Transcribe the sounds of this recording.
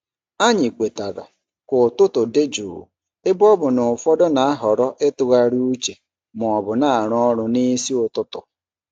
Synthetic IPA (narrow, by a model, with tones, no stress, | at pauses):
a˦ɲɪ˨kʷe˨ta˨ɾa̰˨ | kʊ˨tʊ˦tʊ˨de˦d͡ʒṵː˨ | ɪ˦bɔ˦bʊ˨nʊ˨fɔ˦dɔ˦na˨a˦ɦɔ˨ɾɔ˦ʔɪ˦tʊ˨ɣa˦ɾu˦t͡ʃe˨ | mʊ˨ɔ˨bʊ˨na˦a˨ɾɔ˦ɾʊ˨ni˦si˦ʊ˨tʊ˦tʊ̰˨